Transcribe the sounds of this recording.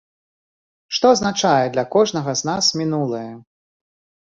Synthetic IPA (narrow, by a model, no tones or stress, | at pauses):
ʂt̪ɔɐznat͡ʂajɛd̪lʲɐkɔʐnɐɣɐznasmʲinulˠɨjɐ